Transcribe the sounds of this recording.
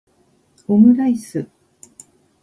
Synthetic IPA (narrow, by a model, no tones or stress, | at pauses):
homɯ̟ɾaisɨ